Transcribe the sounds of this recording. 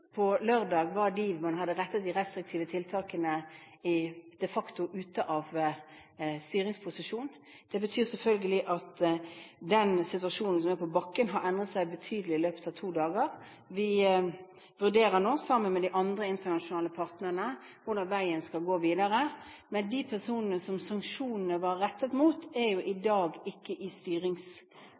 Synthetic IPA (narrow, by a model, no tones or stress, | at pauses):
pʰɔløʁd̪ɑːɡʋɑd̪imɑnɦɑd̪əʁɛt̪ːət̪̚d̪ɪʁɛst̪ɾɪk̚t̪ʰiːʋət̪ʰɪlt̪ʰɑːkənəɪd̪̥ɛfɑkt̪ʊʔʉːt̪əʔɑʋ | st̪yːɾɪŋspʰʊsɪʂuːn | d̪̥ɛbət̪ʰyːʁsɛlfœlɡəlɪʔɑt̪ | d̪ɛnsɪt̪ʉɑʂuːnn̩sɔmæɾpɔbɑkːənɦɑɾɛnd̪ʁət̪sæɪbət̪ʰyːd̪əlɪɪløːpə̥t̪ɑʋt̪ʰuːd̪ɑːɡəʁ | ʋɪ | ʋʉʁd̪eːɾəɾnoːsɑmːənmɛd̪ɪʔɑnd̪ɾəɪnt̪ənɑʂʊnɑːləpʰɑʁt̪nəʁənə | ʋʊd̪ɑnʋæɪənskɑlɡoːʋiːd̪ɑɾəmɛnd̪ipʰæʁsuːnənəsɔmsɑŋkʂuːnnəʋɑɾɛt̪ːəɛt̪muːt̪æɾjʊʔɪd̪ɑːɡɪkːəʔɪst̪yːɾɪŋs